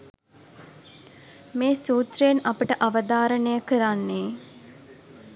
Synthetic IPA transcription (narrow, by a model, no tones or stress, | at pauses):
meːsuːt̪rəjenapəʈəʔaʋəd̪aːɾənəjəkəɾanːeː